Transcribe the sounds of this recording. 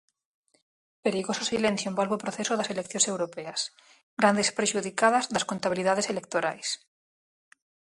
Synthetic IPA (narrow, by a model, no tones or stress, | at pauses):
peɾiɣososilẽn̟θjoembalβopɾoθesoðaselekθjonse̞wɾopeas | ɡɾand̪espɾeʃuðikaðazðaskont̪aβiliðað̞eselek̚t̪oɾajs